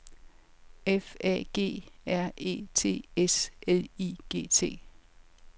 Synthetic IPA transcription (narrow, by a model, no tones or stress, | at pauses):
efɛ̰ɡ̥e̝̰ːæɐ̰e̝̰ːt͡sʰe̝̰ːesʔeliɡ̥e̝̰ːt͡sʰe̝̰ː